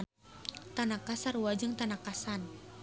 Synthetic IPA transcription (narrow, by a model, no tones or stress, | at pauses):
t̪anakasaruwad͡ʒɨŋt̪anakasan